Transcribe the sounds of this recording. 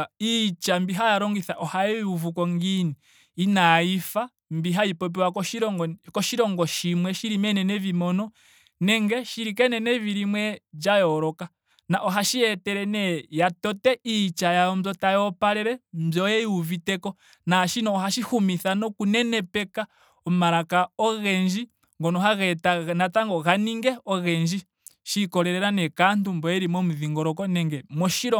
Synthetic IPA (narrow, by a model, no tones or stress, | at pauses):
it͡ʃambiɦajaɾɔŋɡiθaʔɔhajɛiuvukɔŋɡiniː | naifa | mbiɦaipɔp̬iwakɔʃiɾɔɡɔkɔʃiɾɔŋɡɔʃimwɛʃiɾimɛnɛnɛvimɔnɔ | nɛŋɡɛʃiɾikɛnɛnɛviɾimwɛd͡ʒajɔɾɔka | naʔɔɦaʃiɛtɛɾɛnɛjatɔtɛit͡ʃajaɔmzɔtajɔpaɾɛɾɛmzɔjɛuvitɛkɔ | naʃinɔːɦaʃihumiθanɔkunɛnɛpɛka | ɔmaɾakaɔɣɛɲd͡ʒi | ŋɡɔnɔɦaɣɛtanataŋɡɔɣaniŋɡɛɔɣɛɲd͡ʒi | ʃikɔɾɛɾɛɾanɛkantumbɔjɛɾimwɔmuðiŋɡɔɾɔkɔnɛŋɡɛmɔʃiɾɔ